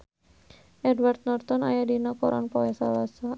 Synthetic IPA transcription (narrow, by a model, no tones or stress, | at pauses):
ʔɛdwart̪̚nɔrt̪ɔna̰jadinakɔɾʔa̰npɔwɛsa̰lasa